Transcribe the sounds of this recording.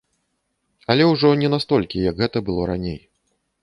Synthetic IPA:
ɐlʲɛwʐɔnʲɛnast̪ɔlʲkʲijɐɡɣɛt̪ɐbɨlˠɔɾanʲej

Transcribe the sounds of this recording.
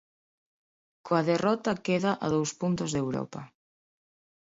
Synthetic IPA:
kʰoaðerɔt̪akeðaʔaðowspunt̪ozðewɾɔ̰pa

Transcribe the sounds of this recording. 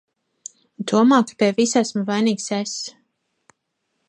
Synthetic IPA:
d̪uɔmaːkḁpiɛvisæsmuvajniːkses

